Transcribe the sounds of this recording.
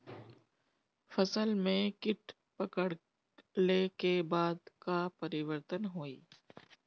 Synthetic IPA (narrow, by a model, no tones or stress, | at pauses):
fɐsəlmẽkɪʈ | pɐkəɽ | lekebaːd̪kapɐɾɪʋəɾt̪ənɦoːiː